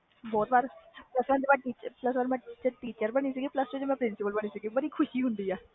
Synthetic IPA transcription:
bɔːt̪ʋaːɾpləsʋɛ̃nd̪ebɛ̃ʈiːt͡ʃəpləs̬ʋaːɾmɛ̃ːʈiːt͡ʃəɾʈiːt͡ʃəɾbəɽ̃iːsəɡiːpləst͡ʃod͡ʒmɛ̃ːpɾɪnsɪpəlbəɽ̃iːsɪɡiːbəɽiːkʰʊʃiːɦʊ̃nd̪iːɛː

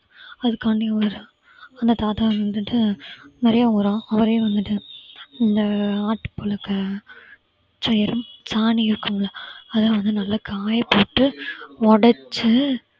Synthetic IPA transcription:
ɐðɯkːaːnɖiɐʋɐɾɯ | ɐnd̪ɐt̪aːt̪aɐnɐd̪ɯʈːɯnɪɾɐjaːʊɾãːɐʋɐɾeːʋɐnd̪ɯʈːɯɪnd̪ɐaːʈːɯ̥pːɔlɐkːɐ | t͡ʃɐjɐɾɯmsaːniɪɾɯkːɯmɐlːɐɐðɐlʋɐnd̪ɯnɐlːɐkaːjɐpoːʈːɯɔɽɐt͡ʃːɯ

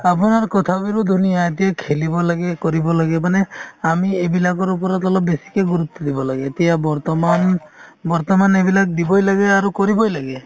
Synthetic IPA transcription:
ap̬unaɾkɔt̪ʰabiɾud̪ʱunijaet̪ijakʰelibɔlaɡekɔɾibɔlaɡemaneamiebilakɔɾupɔɾat̪ɔlɔp̚besi̥keɡuɾut̪ːɔd̪ibɔlaɡeːt̪ijabɔɾt̪ɔmanbɔɾt̪ɔmanebilak̚d̪ibɔjlaɡeaɾukɔɾibɔjlaɡe

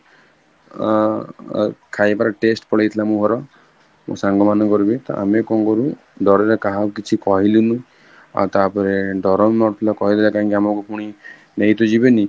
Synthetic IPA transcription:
kʰajpaɾɔʈesʈpɔɽejt̪ʰilamũɦɔɾɔ | mṵsaŋɡɔmanɔkɔɾubit̪ɔ̰a̰mekɔŋɡɔɾu | ɖʱɔɾeɾekaɦakit͡ʃʰikɔɦilunũ | a̰t̪apɔɾeɖʱɔɾɔmmɔɾt̪ʰilakɔɦid̪ilakaĩŋkiamɔkupuɽ̃i | neɦit̪ɔd͡ʒibeni

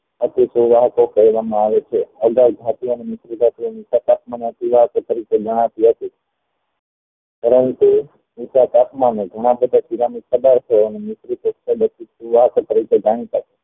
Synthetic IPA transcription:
ət̪isuʋaɦkokəjʋamãaʋet͡ʃʰeəɡald͡ʒ̪ʱat̪ioənemɪsɾid̪ʱat̪ionisat̪apʰmaneət̪iʋakt̪əɾiked͡ʒəɽ̃ãt̪iɦət̪i | pəɾənt̪u | misat̪apʰmaneɡʱəɽ̃ãbəd̪ʱakiɾamisəd̪aɾt̪ʰeoənemɪsɾit̪ukseɡət̪isuʋaɦkt̪əɾiked͡ʒaɳ̃ĩt̪at͡ʃe̥

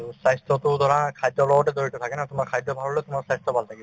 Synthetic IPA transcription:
sajst̪ʰɔt̪ʊd̪ɔɹakʰajdːɔlɔbɔʈɛd̪oitɔt̪ʰakɛnat̪ʊmaɹkʰajd̪ːɔbʱaɾɔlot̪ʊmaɹsajst̪ʰɔbʱalt̪ʰakiba

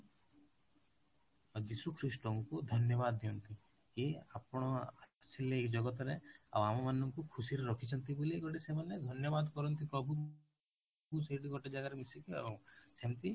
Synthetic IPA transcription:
d͡ʒisukʰɾisʈɔŋkud̪ʱɔnjɔbad̪ːiunt̪i | kiapɽ̃ɔasileekd͡ʒɔɡɔt̪ɾeɐ̰ʋamɔmanːɔŋkukʰusiɾeɾɔkʰit͡ʃʰɔnt̪ibulieɡɔʈisemanːed̪ʱɔnjɔbaːd̪kɔɾɔnt̪ipɾɔbʱu | useʈiɡɔʈed͡ʒaɡaɾemisikḭsemt̪i

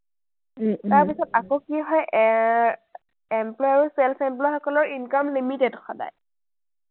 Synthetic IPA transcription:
taɹpisɔtakokiɦɔjʔ | ɛmplɔjaɹusɛlfɛmplɔjxɔkɔlɔɹinkɔmlimitedxɔda̰j

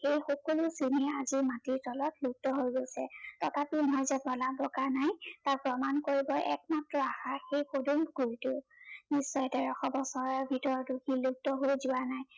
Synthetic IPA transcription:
xejxɔkolusinɛazimatiɹtɔlɔtluk̚tɔɦojɡojsɛ̰tɔtʰapinɔɦɔjzɛbɔlabɔkanajtapɹɔmankoɹibɔʔɛ̰k̚matɹɔaxaxejxodunɡujtʊnisːɔjɛtɛɹɔxɔbɔsɔɹɔɹbʱitɔɹduxiluk̚tɔɦojzʊwanaj

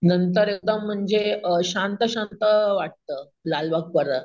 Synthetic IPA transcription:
nənt̪əɾek̚d̪əm̤ːəɳd͡ʑeɕãnt̪əɕant̪əʋaʈ̚t̪ə | lalʋak̚pəɾə

